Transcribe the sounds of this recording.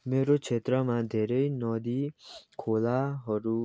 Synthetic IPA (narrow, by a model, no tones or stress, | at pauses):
meɾot͡ʃʰet̪ɾəmãd̪ʱeɾeinɔd̪ikʰolaɦʌɾu